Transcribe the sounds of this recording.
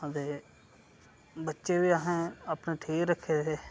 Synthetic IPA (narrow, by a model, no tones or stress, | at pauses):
d̪eː | bətːʃeːʋiːaːɦẽːaːpnẽːʈʰiːkɾəkʰːeːd̪eː